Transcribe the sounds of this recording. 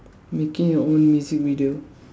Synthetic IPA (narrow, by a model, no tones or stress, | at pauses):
mekɪ̃ŋjɔõnmjuzik̚viɖio